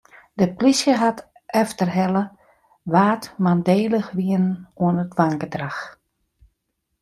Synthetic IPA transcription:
dəplisjəɦat | ɛftərɦɛlə | ʋaːtmandeːləxʋiənnuənətʋaŋkədrax

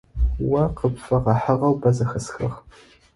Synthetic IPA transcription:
wɐqəpfɐʁɐħəʁɐwbɐzɐxɐsxɨʁ

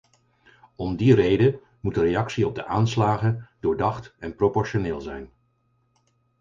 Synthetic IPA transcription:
ɔmdirejdə | mutərejɑksiɔb̚dəʔaːnslaːχədʊːɹdɑχtɛnpropɔɹʃonɪːlˠzɛ̰jn

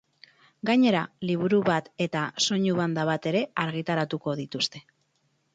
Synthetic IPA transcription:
ɡaɲe̞ɾaliβ̞uɾuβat̪e̞t̪aso̞ɲuβand̪aβat̪e̞ɾe̞aɾɣit̪aɾat̪uko̞ð̞it̪ust̪e̞̥

